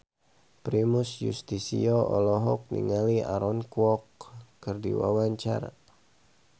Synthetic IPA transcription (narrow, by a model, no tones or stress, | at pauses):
pɾimʊsjṵst̪isiɔʔɔlɔɦɔk̚nḭŋaliaɾɔnkwɔkːərdiwa̰waɲt͡ʃa̰ra